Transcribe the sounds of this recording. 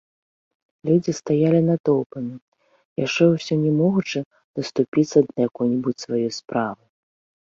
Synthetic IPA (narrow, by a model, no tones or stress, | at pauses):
lʲud͡zʲist̪ajalʲinat̪ɔwpɐmʲi | jaʂt͡ʂɛwsʲɔnʲɛmɔɣut͡ʂɨ | d̪̥ɐst̪upʲit̪sːɐd̪ɐjakɔjnʲibut͡sʲsvajɔjspɾavɨ